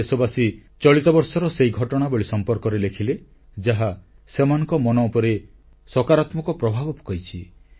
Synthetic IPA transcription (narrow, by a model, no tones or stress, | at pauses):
esɔbasit͡ʃɔɭit̪ɔbɔɾsɔɾɔseiɡʱɔʈɔɽ̃aboɭisɔmpɔɾkɔɾelekʰile | d͡ʒaɦa | semanɔ̃ŋkɔmɔnɔupɔɾe | sɔkaɾat̪mɔkɔpɾɔbʱabɔpu̥kɔjt͡ʃʰi